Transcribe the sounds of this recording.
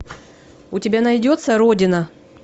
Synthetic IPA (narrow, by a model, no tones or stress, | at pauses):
ʊtʲɪbʲanɐjdʲo̞t̪səɾodʲɪnə